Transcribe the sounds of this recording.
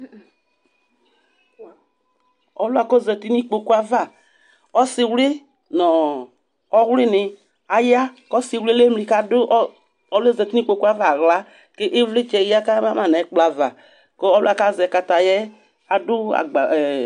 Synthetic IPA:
ɔ˨˦lʊ˦a˧˨kɔ˦zɛ˨˧ti˦ni˦k͡po˧ku˦a˦va˦˨ | ɔ˦sɪ˧wlɪ˦ | nɔ˨ | ɔ˦wlɪ˦nɪ˧ | a˨ja˦kɔ˦sɪ˧wlle˦mli˧ka˦dʊ˦ʔ | ɔ˦le˦zɛ˧˨ti˦nĩ˦k͡po˧ku˦a˦va˦˨ɣla˨˦ | ke˦ʔɪ˦vlɪ˦t͡ʃɛ˧˦a˦ka˦ma˦ma˨nɛ˨˦k͡pla˨va˨ | kɔ˦ɔ˦lʊ˦a˨ka˦˨zɛ˧˨ka˧ta˨jɛ˦ | a˨dʊ˦a̰˨ɡ͡ba˨

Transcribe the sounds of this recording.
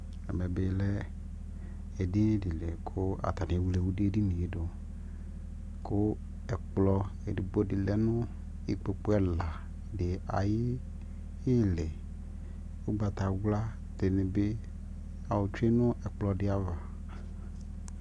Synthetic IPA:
ɛ̰˨me˨be˨˦lɛ˦ | e˨dɪ˦di˨le˨kʰʊ˦a̰˨t̪a˨nĩ˨wle˨wu˦di˦e˦ɖi˦nĩ˨i˦do˨ | kʊ˦ | ɛ˨k͡plɔ˦e˨di˨bo˦di˨lɛ˨nʊ̃˦ | ḭ˨k͡pe˨k͡po˦ɛ˦la˨ | dɪ˨a̰˨jɪ˦ | ɪ˦le˨ | wo˦ba˨t̪a˨wla˦ | t̪e˨nɪ̃˨be˦ | a˨wo˨t͡ʃe˦nʊ̃˦ɛ˨k͡plɔ˨dɪ˦a˦va˨

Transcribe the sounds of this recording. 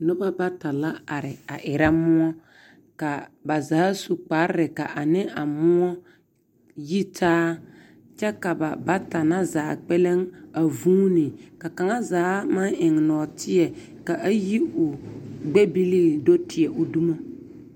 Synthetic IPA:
nʊ˦ba˦ba˦ta˨la˦a˨ɾɪ˨a˨ʔɪ˨ɾa˦mʊ˦ɔ˦ | ka˨ba˨zaː˨˦su˨k͡pa˨˦ɾɪ˦ɾɪ˨ka˨ʔa˨nɪ˦a˨mʊ˦ɔ˦ | ji˦tʰaː˦ | t͡ʃɛ˦ka˨ba˨ba˦ta˨na˦zaː˨˦k͡pɛ˦le˦ŋa˨vuː˦nɪ˨ka˨ka˨ŋa˦zaː˨˦ma˦ŋʔɪ˨ŋnɔː˨tʰɪ˦ɛ˨ | ka˨ʔa˦ji˦ʊ˨ɡ͡bɛ˦bi˦li˦˨do˦tʰɪ˨ɛ˨ʊ˨du˦mo˦

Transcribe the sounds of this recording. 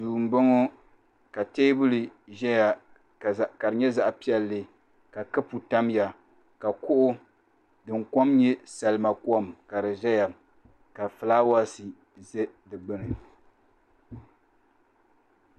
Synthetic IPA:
zuː˨m̩˨bo˦ŋo˦ | ka˨teː˦bʊ˦li˨ʒɛ˦ja˨ | ka˨ɾɨ˨ɲɛ˦za˦ʔpi˦ɛ˨lːɨ˨ | ka˨kɨ˦pu˨ta˦m˦ja˨ | ka˨kʊ˦ʔʊ˦ | dɨ˨ŋ˦kɔ˦mɲɛ˦sa˨lɨ˨ma˨kwɔ˦˨mka˨ɾɨ˨ʒɛ˦ja˨ | ka˨fɨ˨laː˦wa˦si˨ | zɛ˦dɨ˨ɡ͡bɨ˦nɨ˨

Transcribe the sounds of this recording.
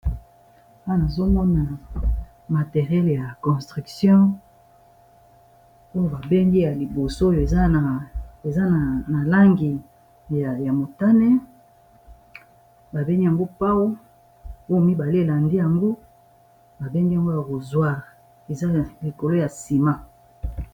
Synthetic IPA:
a˦˨na˨zo˦mɔ˦na˨ | ma˨te˨ʁjɛ˦lja˨kɔ̃˨stʁy˨ksjɔ̃˦ | o˦jo˨ba˨be˦ŋɡi˦ja˨li˨bo˨so˦o˦jo˨e˨za˦a˨e˨za˦n˨na˨la˦ŋɡi˨ | ja˨mo˨ta˦nɛ˦ | ba˨be˦ŋɡi˦ja˨ŋɡo˦pa˦wo˦ | o˦jo˦mi˦ba˨le˦e˨la˨ndi˦ja˨ŋɡo˦ | ba˨be˦ŋɡa˨ŋɡo˦ja˨ko˨zwa˦ʁ | e˨za˦li˨ko˨lo˦ja˨si˨ma˦

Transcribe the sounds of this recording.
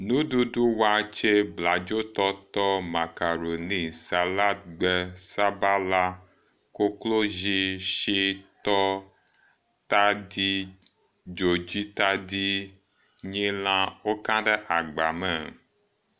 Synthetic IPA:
nũ˦ɖu˦ɖu˦wa˦t͡ʃe˦bla˨d͡ʒo˦t̪ɔ˦t̪ɔ˦ma˨ka˨ɾo˨nĩ˦sa˨la˦t̪̚ɡ͡bɛ˦sa˦ba˦la˦ | ko˦klo˦ʒi˦ʃi˦t̪ɔ˦ | t̪a˦di˦ | d͡ʒo˨d͡ʑi˦t̪a˦di˦ | ɲĩ˦l̃ã˦wo˦kã˦ɖɛ˦ʔa˨ɡ͡ba˨mɛ˨

